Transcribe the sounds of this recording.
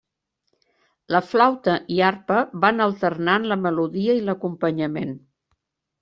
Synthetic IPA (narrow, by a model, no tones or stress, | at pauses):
ləflawt̪əʔiarpəβanəlˠt̪ərnanləməluðiəiləkumpəɲəmen